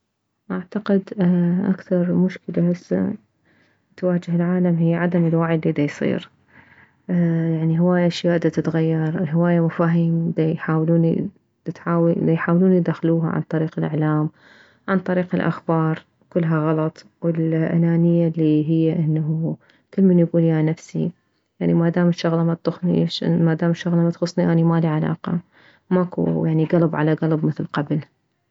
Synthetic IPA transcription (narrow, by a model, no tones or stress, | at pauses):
ʔaʕt̪aqɪd̪ʔa̰kθɑɾˤmʊʃkɪlahɪsːa̰ | t̪waːd͡ʒɪhɪlʕaːlamɦɪjːʕad̪amɪlwaʕlːid̪ajsˤḭːɾ | jaʕniɦɪwaːjaʃjaːʔd̪at̪ɪt̪ɣajːɑɾˤɪlɦɪwaːjamʊfaːɦimd̪ajħaːwluːnḭ̥ | t̪awjħaːwluːnjd̪axluːɦa̰ʕa̰nt̪ˤɑɾiːqɪlʔɪ̰ʕlaːm | ʕant̪ˤɑɾiːqɪlʔa̰xbɑːɾˤ | kʊlːɦaɣɑlɑt̪ˤ | wɪlʔa̰naːnɪjːalːiɦɪjːaʔɪnːaɦu | kɪlːmanjɡuːljanafsḭ | jaʕnimad̪aːmɪʃːʊɣlɑmat̪̚ʊxnḭʃmad̪aːmɪʃːʊɣlɑmat̪xʊsˤːniʔanimaliʕalɑ̰ːqɑ | makṵjaʕniɡɑlbʕalaɡɑlbmɪθlqɑbl